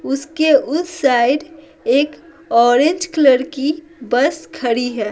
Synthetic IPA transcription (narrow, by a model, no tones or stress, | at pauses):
ʊskeʔʊsːaɪɖ | eːk | ɔːɾẽnd͡ʒkləɾki | bəskʰəɽiɦɛː